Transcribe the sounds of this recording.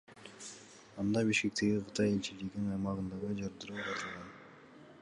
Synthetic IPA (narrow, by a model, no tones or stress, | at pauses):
ɑnd̪ɑbiʃkek̚t̪e̞ɡiqʰɯt̪ʰɑjelt͡ʃiliɡ̪inɑjmɑʁɯnd̪ɑʁɯd͡ʒɑɾd̪ɯɾulɑt̪ɯlˠʁɑn